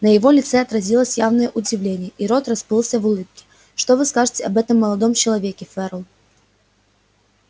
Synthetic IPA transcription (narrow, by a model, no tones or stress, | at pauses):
nəjɪvo̞lʲɪt̪sɛɐt̪ɾɐzʲilˠəsʲjavnəjəʔʊdʲɪvlʲenʲɪjəʔiɾo̞t̪rɐspɨlˠsʲəvʊlˠɨp̚kʲɪ̥ | ʂt̪ovɨskaʐɨtʲɪɐbɛt̪əmːəlˠɐd̪omt͡ɕɪlˠɐvʲekʲɪfɛɾlˠ